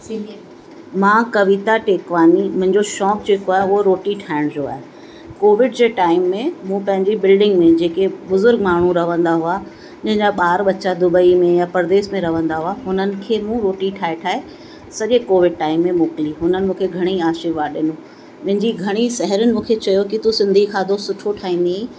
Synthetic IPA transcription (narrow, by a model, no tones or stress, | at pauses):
mãːkɐʋit̪aʈeːkʋaːnimʊ̃ɦɪ̃ɲd͡ʑoʃɔːk̚d͡ʑeːkoaːɦeʊɦoɾoːʈiʈʰaːɪɽ̃d͡ʑoa̰ːɦe | koːʋɪɖd͡ʑeːʈaːɪmːẽmũːpɐ̃ɦɪ̃ɲd͡ʑibɪlɖɪ̃ŋɡmẽd͡ʑeːkebʊzʊɾɡ̚maːɳ̤ũɾɐʋə̃nd̪aɦua | ɐ̃ɦɪ̃ɲd͡ʑaɓaːɾɓɐt͡ɕad̪ʊbəimẽjapɐɾd̪eːsmẽɾɐʋə̃nd̪aɦuaɦʊnənɪ̆kʰeːmũɾoːʈiʈʰaːeʈʰaːe | sɐʄekoːʋɪɖ̚ʈaːɪmːẽmʊːkliɦʊnənɪ̆mũːkʰeɡʱɐɽ̃iaːʃɪɾʋaːɗɪnũ | ɐ̃ɦɪ̃ɲd͡ʑiɡʱɐɽ̃isɐɦəɾənɪ̆mũːkʰet͡ɕɐjokit̪usɪ̃nd̪ʱikʰaːd̪ʱosʊʈʰoʈʰaːĩnei